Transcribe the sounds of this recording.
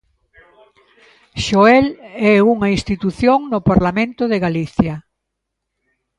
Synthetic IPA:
ʃoɛlɛuŋɐĩst̪it̪uθjoŋnʊpaɾlamẽnt̪ʊðeɣaliθjɐ

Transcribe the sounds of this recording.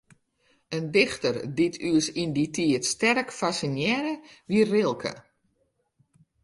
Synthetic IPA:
əndɪxtərditʰyəsinditʰiətstɛrkfasinjɛɾəʋiərɪlˠkʰə̰

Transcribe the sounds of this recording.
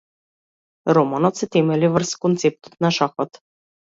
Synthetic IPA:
ɾomanot̪set̪emelʲiʋərskont̪sep̚t̪o̥t̪nɑʃɑxot̪

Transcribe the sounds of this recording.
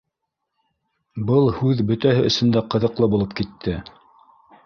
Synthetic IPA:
bɤlˠhʉðbɵ̆t̪æhɘʔɵ̆sɵ̆nd̪æqɤ̆ðɤ̆qlˠɤbulˠɤp̚kit̪ʰːɘ

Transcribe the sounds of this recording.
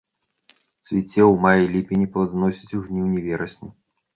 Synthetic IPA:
sʲvʲit͡sʲːɛwmajilʲipʲinʲipɐd̪nɔsʲit͡sʲuɣnʲiwnʲɛvʲɛɾɐsʲnʲi

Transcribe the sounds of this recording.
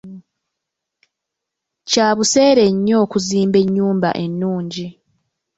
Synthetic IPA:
caːβuse̞ːɾe̞ɲːo̞ːkuziːmbe̞ɲːuːmba̰ʔe̞nːuːɲɟi

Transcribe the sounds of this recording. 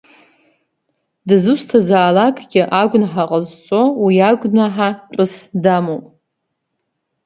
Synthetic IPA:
dɨzɨstʰazaːlakʼɡʲɪʔaɡʷʊnħaqʼəzt͡sʷʼo̞wiaɡʷʼnaħaʈ͡ʂʼɨsdamowpʼ

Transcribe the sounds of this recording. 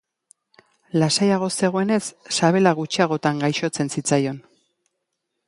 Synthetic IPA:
lasajaɣ̞o̞se̞ɣ̞o̞e̞ne̞sːaβ̞e̞laɣ̞ut͡ʃiaɣ̞o̞t̪aŋɡajʃo̞t͡se̞nsit͡sajo̞n

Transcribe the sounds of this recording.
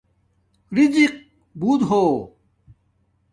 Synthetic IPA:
ɾid͡ʑiq̚ | buːd̪ɦo

